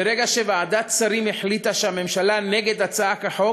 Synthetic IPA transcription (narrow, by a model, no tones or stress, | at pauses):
eɾeɡaʃevaʕad̪at̪t͡saɾimeħlit̪aʃeame̞mʃalaneɡed̪at͡saakaħo